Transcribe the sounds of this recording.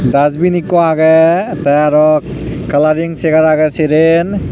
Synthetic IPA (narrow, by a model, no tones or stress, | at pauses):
dazbinikɔaɡɛtajaɾɔ | kalaɾiŋseɡaɾaɡɛseɾen